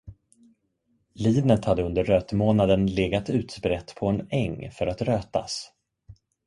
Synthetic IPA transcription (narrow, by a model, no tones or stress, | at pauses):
liːnət̪had̪ːəɵnd̪əɾøːt̪moːnad̪ənleːɡat̪ʉ̟ːt̪spɾɛt̪ːpʰɔɛnɛŋːfœɾat̪ɾøːt̪a̰s